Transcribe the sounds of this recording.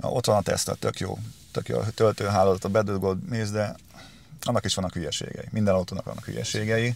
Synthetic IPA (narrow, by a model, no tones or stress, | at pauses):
o̞t̪ʋɒnɒt̪ɛ̰st̪ɛ̰t̪økjo̰ːt̪ø̰kjo̰ːt̪ølt̪øːɦaːloːzɒt̪obɛd̪ølɡod̪neːzd̪ɛ | ɒnːɒkiʃʋɒnːɒkhyjɛʃḛːɡɛ̰jimind̪ɛnɒt̪oːnɒ̰kʋɒ̰nːɒ̰khy̰jɛ̰ʃeːɡɛji